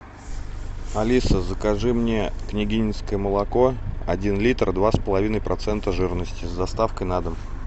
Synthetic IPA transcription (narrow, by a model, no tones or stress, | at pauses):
ɐlʲisəzəkaʐɨmnʲeknʲɪɡʲinʲɪskəjəməlˠɐko̞ɐ̰dʲinlʲit̪rd̪vaspəlˠɐvʲinəjpɾʔɐt̪sɛnt̪əʐɨɾnəsʲtʲɪzd̪ɐst̪afkəjnad̪əm